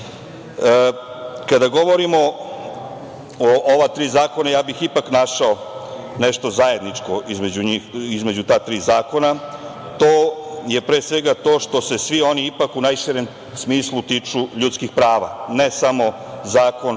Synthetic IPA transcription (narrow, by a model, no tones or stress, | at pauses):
ə | kad̪aɡo̞ʋo̞ɾimo̞ | oʔoʋat̪ɾiːzaːko̞najaːbixipaknaʃao | neʃt̪o̞zaje̞d̪nit͡ʂko̞ʔizmed͡ʑuɲixizme̞d͡ʑut̪aːt̪ɾiːzaːko̞na | t̪oːje̞pɾesʋe̞ɡat̪o̞ːʃt̪o̞se̞sʋio̞niipakunajʃiɾem | smiːslˠut̪iːt͡ʂuʎut̪skixpɾaːʋa̰nesamo̞ | zaːko̞n